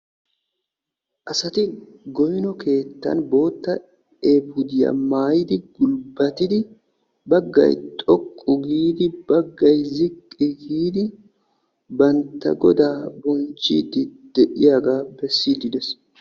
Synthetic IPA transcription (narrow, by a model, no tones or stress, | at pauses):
ʔɐsɐt̪ɪɡɔjnɔkʰe̞ːt̪ːɐ̰nbo̞ːt̪ːɐ | eːbʊd̪ɪjɐ̰maːjɪd̪ɪɡʊlbɐt̪ɪd̪ɪ | bɐɡːɐ̰jt̪ʼɔkʼːʊɡiːd̪ɪb̥ɐɡːɐjzɪkʼːɪɡiːd̪ɪ | bɐnt̪ːɐ̰ɡɔd̪aːbɔnt͡ʃːḭːd̪ɪd̪̥ɛʔɪjaːɡaːbɛsːiːd̪ɪd̪ɛs